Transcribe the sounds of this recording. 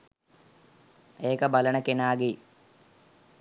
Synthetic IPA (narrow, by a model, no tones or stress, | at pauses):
eːkɐbɐlɐɳɐkːinaːɡi